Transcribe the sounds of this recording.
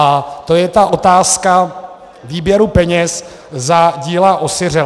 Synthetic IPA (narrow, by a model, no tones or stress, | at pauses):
at̪o̞jɛt̪aʔo̞t̪aːska | viːbjɛɾupɛɲɛs | zaɟiːlaʔosɪr̝ɛ